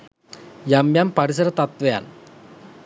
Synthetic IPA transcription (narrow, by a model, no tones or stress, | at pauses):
jamjampɐɾis̬ɐɾɐt̪ɐt̪ʋeja̰n